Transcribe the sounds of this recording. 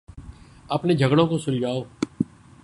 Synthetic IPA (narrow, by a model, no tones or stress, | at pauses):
əpneːd͡ʒʱəɡɽõːkosʊɾd͡ʒʱaːoː